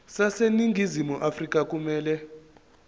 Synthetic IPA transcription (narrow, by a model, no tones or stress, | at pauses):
saseniŋɡʱizimuʔafrikʼak̬ʼumɛːlɛ